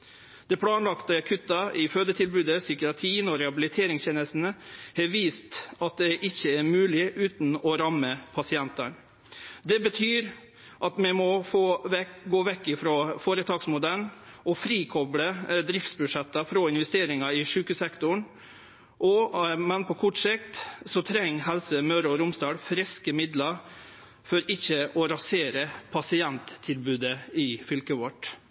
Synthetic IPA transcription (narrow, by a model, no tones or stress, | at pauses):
d̪̥ɛpʰɽɑːnlɑkt̪əkʰʉt̪ːɑɪføːd̪ət̪ʰɪlbʉːd̪əsʏkɪɑt̪ʰiːnɔɾɛhɑbɪlɪt̪ʰeːɾɪŋsçeːnəst̪n̩əhɛʋiːst̪ɑt̪̚d̪ɛʔɪçːəæɾmʉːlɪʔʉːt̪nɔɾɑmːəpʰɑsɪɛnt̪ə̰ɳ | d̪ɛbət̪ʰyːɾ | ʔɑt̪mɛmɔfoːɡoːʋɛkːɪfɾoːfoːɾət̪ʰɑːksmʊd̪ɛlnʔɔfɾiːkʰɔbɽəd̪ɾɪft̪sbʉʂɛt̪ːɑfɾɔɪnʋɛst̪eːɾɪŋɑɪʂʉːkəsɛkt̪ʊɳ | ʔɔmɛnpʰɔkʰʊʈʂɪkt̪sɔt̪ʰɾɛŋːɦɛlsəmœɾɔɾʊmsd̪ɑːɽfɾɛskəmɪd̪lɑɾ | fɔɾɪçːəʔɔɾɑseːɾəpʰɑsɪɛnt̪ʰːɪlbʉːd̪əɪfʏlkəʋɔʈ